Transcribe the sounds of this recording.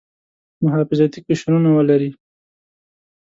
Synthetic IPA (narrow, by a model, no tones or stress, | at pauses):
mʊɦɑfɪzɑt̪ikɪʃɾunawəlaɾi